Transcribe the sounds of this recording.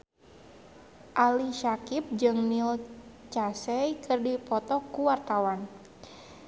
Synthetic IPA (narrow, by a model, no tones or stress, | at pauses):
ʔaliʃakip̚d͡ʒɨŋnil | t͡ʃasɛjkɨrdipɔt̪ɔkuwart̪awan